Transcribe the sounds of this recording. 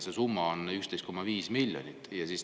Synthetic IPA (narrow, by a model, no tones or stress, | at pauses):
se̞sumːɑonykst̪e̞jst̪̚ko̞mːɑviːsmilʲjo̰nʲit̪ːˑjɑsis